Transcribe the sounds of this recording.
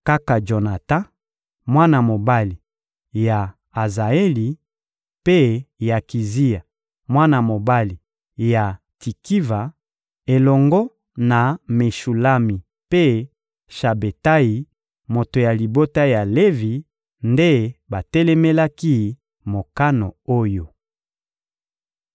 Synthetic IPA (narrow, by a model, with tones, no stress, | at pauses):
ka˦ka˨d͡ʒo˨na˨tã˦ | mwa˦na˨mo˨ba˦li˨ | ja˨ | a˨za˨e˦li˨ | pe˦ja˨ki˨zi˦ja˨ | mwa˦na˨mo˨ba˦li˨ | ja˨ | ti˨ki˦va˨ | e˨lɔ˨ŋɡɔ˦ | na˨me˨ʃu˨la˦mi˨ | pe˦ | ʃa˨be˨ta˦ji˨ | mo˨to˨ja˨li˨bo˦ta˦ja˨le˦vi˨ | nde˦ba˨tɛ˦lɛ˦mɛ˦la˦ki˦ | mo˨ka˦no˨o˦jo˨